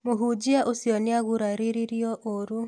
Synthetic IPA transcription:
moɦud͡ʒiaʔosjɔniaɣuɾaɾiɾiɾjɔʔoɾu

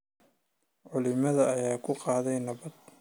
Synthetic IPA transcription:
ʕʊlɪmɐðɐɐjaːkʰʊqɑːðɛjnɐβɐd̪

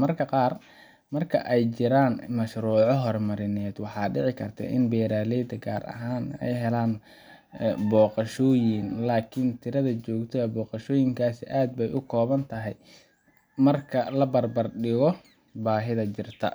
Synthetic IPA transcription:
mɐrkʰɐqɑːr | mɐrkʰɐ̰ʔɛjt͡ʃɪɾaːnmɐʃɾuːʕɔɦɔrmɐɾɪnɛːd̪wɑħɑːɖɪʕɪkʰɐrt̪ʰɐ̰ʔɪ̰nbɛːɾaːlɛjd̪ɐɡa̰ːɾɐ̰ɦaːnɛ̰jɦɛlaːn | bɔːqɑʃɔːjɪnlaːkʰɪnt̪ʰɪɾɐðɐt͡ʃɔːɡt̪ʰɐɐbɔːqɑʃɔːjɪŋkʰaːsɪʔaːd̪̚bɛjʔʊkʰɔːβɐnt̪ʰɐɦɛj | mɐrkʰɐlɐbɐrbɐrɖɪɣɔ | baːɦɪðɐt͡ʃɪrt̪ʰɐ̰

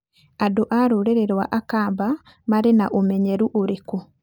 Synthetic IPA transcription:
adoʔaɾoɾeɾeɾwa̰ʔakaːmba | maɾenaʔomɛɲɛɾuʔoɾeko

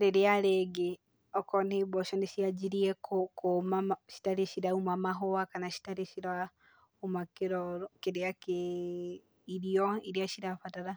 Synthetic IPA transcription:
ɾeɾeaɾeɡe | ɔkɔneːbɔʃɔndeʃiad͡ʒiɾiɛkokomaʃi̥taɾeʃiɾaumamaɦoakanaʃi̥taɾeʃiɾa | umakeɾɔɾokeɾeake | iɾiɔiɾeaʃiɾafataɾa

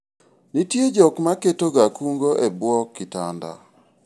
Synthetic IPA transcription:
nitjed͡ʒɔkmaketoɡakuŋɡoʔebwɔkːita̰nda̰

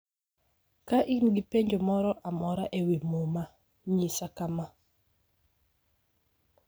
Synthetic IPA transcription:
kaʔinɡipeɲd͡ʒomɔɾɔʔamɔɾaʔewimoma | ɲisakama

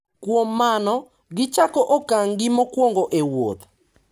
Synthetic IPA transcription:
kwomːanɔ | ɡɪt͡ʃakɔʔokaŋɡɪmokwoŋɡoʔewo̰t̪

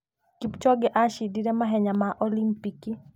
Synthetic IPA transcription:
kipt͡ʃɔɡɛʔaʃidiɾɛmaɦɛɲamaʔɔlimpiki

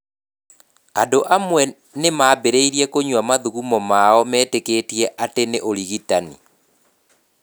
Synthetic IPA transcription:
andoʔamwɛ | nemabeɾeiɾiɛkoɲwamaðuɣumɔmaɔmɛːtekeːtiɛʔateneʔoliɣitanḭ

